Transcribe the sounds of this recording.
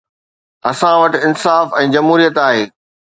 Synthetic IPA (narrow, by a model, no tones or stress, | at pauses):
ɐsãʋɐʈɪnsaːfɛ̃ːd͡ʑɐmɦuːɾijət̪aːɦeː